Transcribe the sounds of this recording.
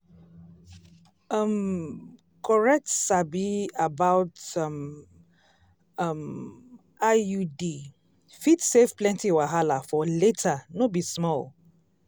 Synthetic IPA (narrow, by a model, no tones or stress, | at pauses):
ʌm | kʰɔɹɛk̚tsabiabaʊtʌm | ʌm | ajudi | fitsefplɛ̃ntiwaɦalafɔletʰanobismɔl